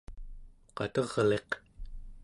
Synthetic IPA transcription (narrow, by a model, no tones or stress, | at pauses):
qɑ̰t̪ʌʁle̞q